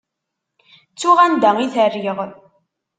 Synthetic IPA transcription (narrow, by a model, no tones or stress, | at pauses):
t͡sːuʁænd̪æŋiθərːiʁ